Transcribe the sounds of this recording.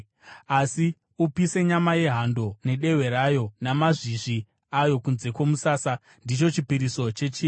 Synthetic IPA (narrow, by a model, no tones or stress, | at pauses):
asi | upise̞ɲamaje̞ɦando̞ne̞ɗe̞we̞ɾajo̞namaʐiʐi | ajo̞kunze̞kwomusaːsa | ndit͡ʃo̞t͡ʃipiɾiso̞t͡ʃe̞t͡ʃiː